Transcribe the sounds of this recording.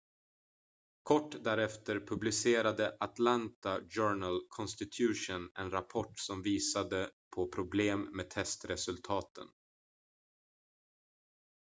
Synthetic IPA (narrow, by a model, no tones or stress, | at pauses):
kʰɔʈːd̪æɾɛft̪əɾpʰɵblɪseːɾad̪əʔat̪lant̪ad͡ʒœːɳalkʰɔnst̪ɪt̪ʰjʉ̟ːʂʊnɛnɾapʰɔʈːsɔmviːsad̪əpʰɔpʰɾʊbleːmːeːt̪ʰɛst̪ɾɛsɵlt̪ʰɑːt̪ʰə̰n